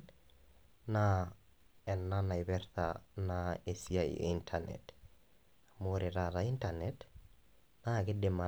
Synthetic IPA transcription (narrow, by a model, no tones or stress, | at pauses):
na | ɛnːanaibɛɾta̰naesia̰intʰanɛ̰t | moɾeɾaɾaintanɛt | nakɪdɪma